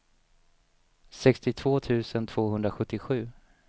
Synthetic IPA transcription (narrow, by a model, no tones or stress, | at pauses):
sɛkst̪ɪt̪ʰv̥oːt̪ʰʉ̟ːsənt̪ʰv̥oːɦɵnd̪ɾaɧɵt̪ːɪɧʉ̟ː